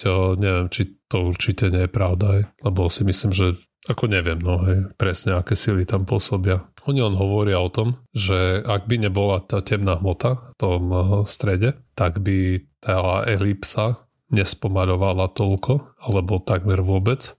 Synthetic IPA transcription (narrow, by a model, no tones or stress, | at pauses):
ɲɛʋɪɛmt͡ʃit̪ɔuɾt͡ʃicɛɲɛjɛpɾaʊd̪aɦɛjlɛbɔsimislimʒɛ | akɔɲɛʋɪɛmnɔɦɛjpɾɛsɲɛakɛːsilit̪ampʊɔsɔbɪaɔɲiɔnɦɔʋɔɾɪaɔt̪ɔmʒɛaɡ̚biɲɛbɔlat̪acɛmnaɦmɔt̪aft̪ɔmst̪ɾɛɟɛt̪aɡbit̪ʰaɛɦlipsa | ɲɛspɔmaʎɔʋalat̪ɔʎkʰɔalɛbɔt̪aɡmɛɾʋʊɔbɛt͡s